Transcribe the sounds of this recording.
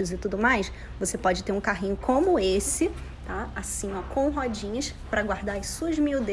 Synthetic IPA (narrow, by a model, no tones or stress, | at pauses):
ʊzɪt̪ud̪ʊmajs | vosepɔd͡ʒɪt̪eɾũkaɦĩɲʊkʰõmʊesɪ | t̪aasĩmɐkõw̃ɦɔd͡ʒĩɲɐʃ | pɾɐɡwaɾd̪aɾɐsuɐzmiwd̪